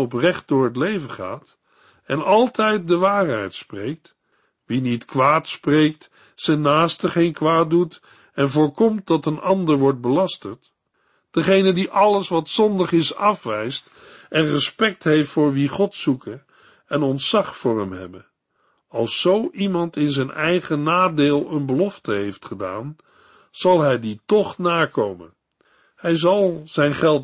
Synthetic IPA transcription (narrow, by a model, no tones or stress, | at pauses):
ɔp̬rɛχt̚dʊːɹɦətlejvəχa̰ːt | ɛnɑlˠtɛjt̚dəʋaːɹɦɛ̰jtsprejk̚t | ʋinitkʋaːtsprejk̚t | sɛnːaːstəχejnkʋaːt̚dut | ɛnvʊːɹkɔmt̚dɑtənɑndəɹʋɔɹt̚bəlɑstəɹt | d̥əχejnədiʔɑləsʋɑtsɔndəχɪsɑfʋɛjst | ʔɛnrəspɛk̚tɦejftfʊːɹʋiχɔtsukə | ɛnɔntsɑχfʊːɹɛmɦɛ̰bə | ɑlˠsːowʔimɑntɪnzɛjnɛjχənaːdeːlˠənbəlɔftəɦejftχəda̰ːn | z̥ɑlˠɦɛjditɔχnaːkowmə̰n | hɛjzɑlˠz̥ɛjnχɛlˠt